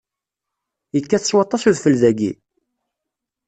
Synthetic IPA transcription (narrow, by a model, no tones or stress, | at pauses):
jəkːæθə̥swɑt̪ˤːɑsuðfəlðæɡḭ